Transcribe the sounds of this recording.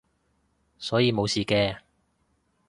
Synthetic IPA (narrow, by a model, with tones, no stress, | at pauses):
sɔː˨˥jiː˨˧mo˨˧wsiː˨kɛː˧